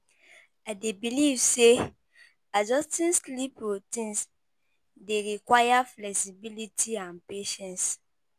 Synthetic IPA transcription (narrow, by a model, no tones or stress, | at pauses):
aɪdebilivse | ad͡ʒɔstĩnslipɹotĩns | deɹikwajaflɛksibilitʰiãnpeʃɛ̃ns